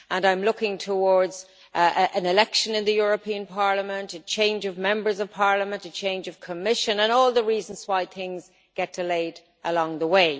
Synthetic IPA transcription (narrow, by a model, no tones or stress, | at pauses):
ə̃nãɪ̃mlʊkɪ̃ŋtʰəwɔɹdz̥ | ʔə̃nɪlɛkʃə̃nɪ̃nðəjʊɹəpʰĩə̃npʰɑɹləmə̃ntət͡ʃʰẽɪ̃nd͡ʒʌvmɛ̃mbə˞zʌv̥pʰɑɹləmə̃ntət͡ʃʰẽɪ̃nd͡ʒʌv̥kʰəmɪʃə̃nə̃nɔːlˠðəɹiːzə̃n̩z̥waɪθɪ̃ŋz | ɡ̥ɛt̚d̥ɪleɪd | ʔəlɔ̃ŋðəweɪ